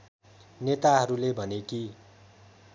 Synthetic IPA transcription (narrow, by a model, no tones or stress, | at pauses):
net̪aɦʌɾulebʱʌneki